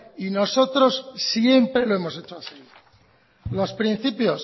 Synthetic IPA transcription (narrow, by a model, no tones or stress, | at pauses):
ino̞so̞t̪ɾo̞ssje̞mpɾe̞lo̞emo̞se̞t͡ʃoaseɣi | lo̞spɾin̟θipjo̞s